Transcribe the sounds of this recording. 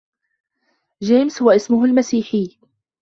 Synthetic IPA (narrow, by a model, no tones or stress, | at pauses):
d͡ʒeːmshʊwaʔɪsmʊɦʊlmasiːħɪː